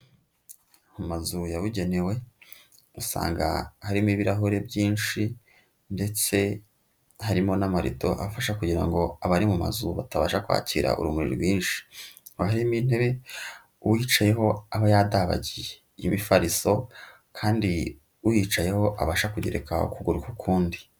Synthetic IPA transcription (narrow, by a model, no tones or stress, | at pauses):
mumazujaβuɟe̞ne̞we̞ | usa̰ːŋɡa̰haɾimiβiɾaɦoɾe̞bjiːnʃi | nde̞t͡se̞ | haɾimo̞namaɾḭto̞̰ʔa̰faʃakuɟiɾa̰ŋɡo̞aβaɾimuma̰zuβataβa̰ːʃakwa̰ːciɾa̰ʔṵɾumuɾḭɾɡwiːnʃi̥aɦaɾimin̥e̞βe̞ | uwiːt͡ʃaje̞ɦo̞aβajaːdaβa̰ɟije | jimifaɾiso̞ | kʰaːndi | ujit͡ʃaje̞ho̞ʔa̰βaːʃakuɟḛɾeka̰ṵkuɡuɾukukʰuːndi